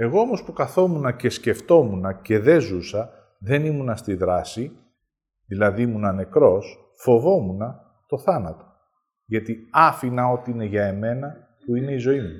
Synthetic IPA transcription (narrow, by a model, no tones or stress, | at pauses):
e̞ɣo̞omo̞spukɐθo̞munɐce̞sce̞ft̪o̞munɐce̞ðe̞zusɐ | ðe̞nimunɐst̪iðɾɐsi | ðilɐðimunɐne̞kɾo̞s | fo̞vo̞munɐ | t̪o̞θɐnɐt̪o̞ | ʝɐt̪iɐfinɐo̞t̪iine̞ʝɐe̞me̞nɐ | puine̞izo̞imu